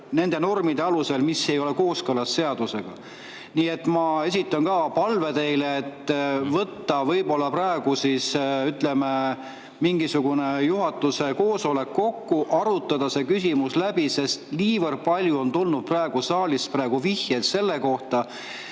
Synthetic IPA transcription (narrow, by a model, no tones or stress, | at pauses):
ne̞nd̪̥e̞no̞rmid̪̥e̞ɑluse̞lmisːe̞jo̞leko̞ːskɤlɑsːe̞ɑd̪̥use̞ɡ̥ɑ̰ | niːe̞t̪ːˑmɑe̞sʲit̪ːˑɑnkɑːpɑlve̞d̪e̞jleːt̪ːvɤt̪ːɑvɤ̞jbo̞lːɑprɑeɡ̥usisyt̪le̞me | miŋɡisuɡ̥une̞juɦɑt̪ːˑuse̞ko̞ːsole̞kːo̞kːuʔɑɾut̪ːˑɑd̪̥ɑse̞kysʲimuslæbise̞st̪liːvɤrd̪̥̚pɑlʲjuo̞nt̪ulnud̪̥̚prɑeɡ̥usɑːlisprɑe̞ɡ̥uvihjelt̪se̞lːe̞ko̞ht̪ɑ